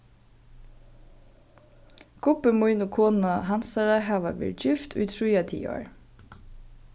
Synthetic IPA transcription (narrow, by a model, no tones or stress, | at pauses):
kʰʊpəmujnʊkʰoːnaɦansaɹaɦaːʋaʋɛ̰ːɹd͡ʒɪft̪ʰʊ̰jt̪ʰɹujat̪ʰḭːɔ̰ɹ